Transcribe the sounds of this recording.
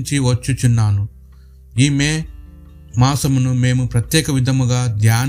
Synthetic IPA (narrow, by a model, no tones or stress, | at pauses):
ɲt͡ʃiʋɐt͡ʃːut͡ʃunːaːnu | iːmeː | maːsɐmunume̞ːmupɾɐt̪jɛːkɐʋid̪ʱɐmuɡaːd̪jaːn